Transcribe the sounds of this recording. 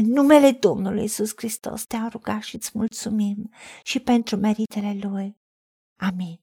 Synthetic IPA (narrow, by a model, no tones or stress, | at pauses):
enumeled̪ɔnːolujizuskɾist̪ɔ̰st̪eawruɡaʃit̪smult̪sumimʃipɛnt̪ɾumɛɾit̪eleluj | amin